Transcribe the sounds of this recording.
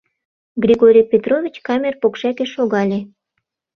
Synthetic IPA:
ɡrʲiɣoɾʲijpʲet̪rovʲit͡ɕkɑmʲerpokʃækeʃoɣɑlʲe

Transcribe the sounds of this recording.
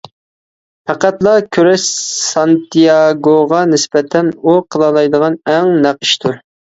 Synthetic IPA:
pʰæqæt̪lˠɑkʲʰøɾɛʃsɑnt̪ijɑɡoʁɑnɪsbɛt̪ʰɛnuqʰəlˠɑlˠɑjd̪əʁɑnɛŋnæqi̥ʃt̪ʰuɾ

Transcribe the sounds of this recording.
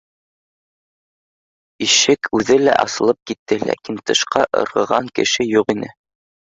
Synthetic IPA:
iʃɘkʰʉðɘlæ̰ʔɑ̰sɤ̆lˠɤp̚kit̪ʰːɘlæ̰kint̪ɤ̆ʃqɑʔɤ̰̆ɾʁɤ̆ʁɑŋkɘ̆ʃɘjuqinɘ

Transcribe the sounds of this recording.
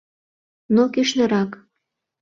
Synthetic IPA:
nokiʃnɤ̆ɾɑk

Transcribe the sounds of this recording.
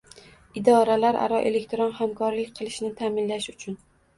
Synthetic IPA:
ɪd̪ɒɾalaɾʔa̰ɾɒʔe̞le̞kʲt̪ɾonhamkʰɒɾlɪkʲqʰɨlˠɪʃnɪt̪ʰamɪnlaʃʊt͡ʃʰʊn

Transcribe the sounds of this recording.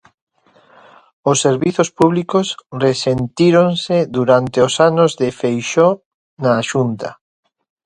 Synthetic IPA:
osːeɾβiθospuβlikosresent̪iɾonseðuɾant̪eosanozðefejʃɔ | naːʃunt̪a

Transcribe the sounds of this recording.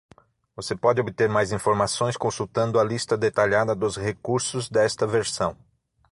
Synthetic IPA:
vosepɔd͡ʒɪobɪt̪eɾmajzĩfoɾmasõj̃skõsuwt̪ɐ̃nd̪ʊɐlist̪ɐd̪et̪aʎad̪ɐd̪ʊzhekuɾsʊzd̪ɛst̪ɐveɾsɐ̃w̃

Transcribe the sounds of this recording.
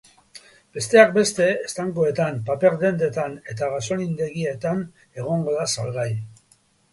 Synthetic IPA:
b̥e̞st̪e̞ak̚be̞st̪e̞ːst̪aŋkoe̞t̪ampape̞ɾd̪e̞nd̪e̞t̪ane̞t̪aɣaso̞nind̪e̞ɣie̞t̪an | e̞ɣ̞o̞ŋɡo̞ðasa̰lɣaj

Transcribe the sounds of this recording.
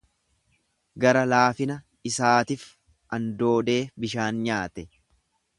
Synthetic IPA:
ɡɐɾɐlaːfɪnɐ | ɪsaːt̪ɪf | ʔɐnd̪o̞ːd̪eːbɪʃaːnɲaːt̪ɛ

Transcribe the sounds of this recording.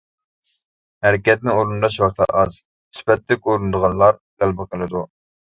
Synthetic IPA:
hæɾɪkʲɛt̪̚nɪoɾund̪ɑʃwɑqt̪ʰɑ̰ʔɑz | spɛt̪ːɪkʲoɾund̪əʁɑnˠlːˠɑɾdælbɑqʰəlˠɨd̪u

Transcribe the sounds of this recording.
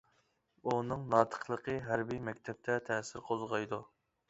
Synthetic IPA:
unɨŋnɑːt̪ʰə̥χlˠəqʰəɦæɾbijmɛkʲt̪ʰɛp̚t̪ʰɛt̪ʰɛsɪɾqʰozʁɑjd̪u

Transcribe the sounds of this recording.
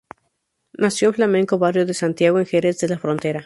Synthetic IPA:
nasjonflamẽ̞ŋko̞βarjo̞ðesant̪jaɣoeŋxeɾezðe̞lafɾo̞nt̪e̞ɾa

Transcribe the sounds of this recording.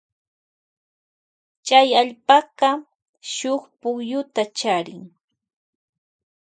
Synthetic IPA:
t͡ʃajaʎpɑɢɑ | ʃoχpʊχjʊt̪at͡ʃaɾɪŋ

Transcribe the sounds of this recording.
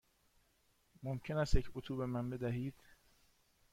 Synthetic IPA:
momcʰe̞næst̪jecʰot̪ʰuːbe̞mænbe̞d̪æɦiːd̪̥

